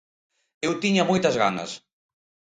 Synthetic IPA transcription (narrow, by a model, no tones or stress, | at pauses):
ewt̪iɲɐmojt̪ɐzɣanɐ̰s